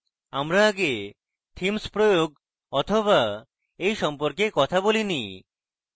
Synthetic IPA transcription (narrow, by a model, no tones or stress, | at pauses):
amɾaaɡe | t̪ʰimspɾojoɡ | ɔt̪ʰoβa | ejʃɔmpoɾkekɔt̪ʰabolini